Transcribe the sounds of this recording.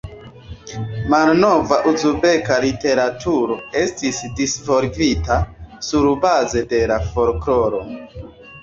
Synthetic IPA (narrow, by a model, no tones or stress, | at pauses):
malno̞vaʔuzube̞kalite̞ɾatʰuɾo̞e̞stisdisvo̞ɾɡitasuɾbaze̞de̞lafo̞ɾklo̞ɾo̞